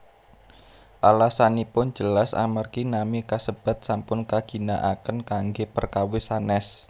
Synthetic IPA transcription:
ʔalahsanipʊn̥d͡ʒəlasa̰markinamikasəb̥a̤t̪̚sampʊnkaɡ̥i̤naʔakənkaŋɡepərkawɪsanɛs

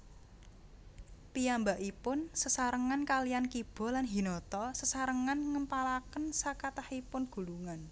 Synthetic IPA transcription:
pijambaʔipʊnsəsaɾəŋankalijankib̥ɔ̤lanɦi̤nɔt̪ɔsəsaɾəŋanŋəmpalakənsakat̪ahipʊnɡ̥ṳluŋan

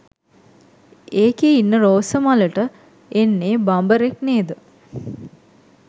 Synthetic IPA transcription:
eːkeinːəɾoːsəmaləʈə | enːeːbambəɾekneːd̪ə

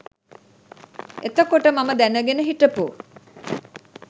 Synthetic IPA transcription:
et̪əkoʈəmaməd̪ænəɡenəɦiʈəpu

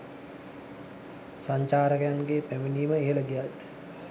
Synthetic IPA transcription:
saɲt͡ʃaːɾəkəjanɡeːpæminiːməeələɡijat̪

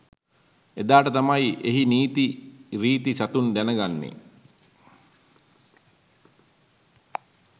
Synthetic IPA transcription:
ed̪aːʈət̪amajeɦiniːt̪iɾiːt̪isat̪und̪ænəɡanːḛ

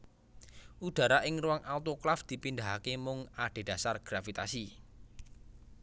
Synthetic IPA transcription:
ud̪̥a̤ɾaʔɪŋruwaŋʔalt̪oklafd̪̥i̤pind̪aɦakemʊŋaɖ̪̥e̤d̥a̤sarɡ̥ɾafit̪asi

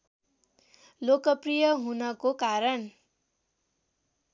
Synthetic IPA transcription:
lokʌprijʌɦunʌkokaɾʌn

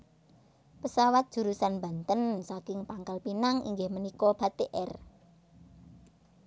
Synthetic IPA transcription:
pəsawat̪̚d̥ʒ̥ṳɾusanmba̤nt̪ənsakɪŋpaŋkalpinaŋḭŋɡɪhmənikɔb̥a̤t̪eʔɛr

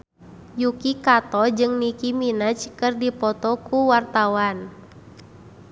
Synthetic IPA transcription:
jukikat̪ɔd͡ʒɨŋnikiminət͡ʃkɨrdipɔt̪ɔkuwart̪awan

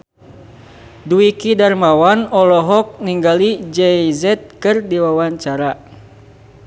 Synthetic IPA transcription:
duikidarmawanɔlɔɦɔk̚niŋɡalid͡ʒɛizɛt̪̚kɨrdiwawaɲt͡ʃaɾa

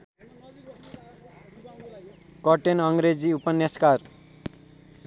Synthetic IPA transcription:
kʌʈenʌŋɡɾed͡ziupʌnjʌskar

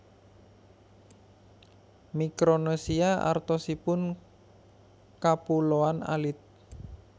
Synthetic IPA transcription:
mikɾonosiaʔa̰rt̪ɔsipʊn | kapuloana̰lɪt̪̚

